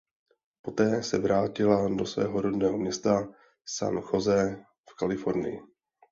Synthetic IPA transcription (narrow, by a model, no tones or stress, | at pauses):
po̞t̪ɛːsɛvɾaːcɪlado̞svɛ̰ːɦoɾodnɛːɦomɲɛst̪a | sa̰nxo̞zɛ | fkalɪfo̞ɾnɪ̰jɪ